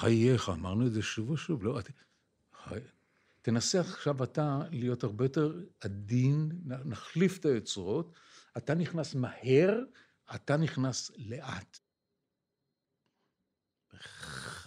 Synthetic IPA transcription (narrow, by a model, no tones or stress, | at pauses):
χajeχaːmaʁnuezeʃuvoʃuvloat | a̰ | tenaseaχʃavatalijo̞thaʁbejote̞ʁadinanaχlifetajot͡sʁo̞t | ataniχnasmahe̞ʁ | ataniχnasleʔat | e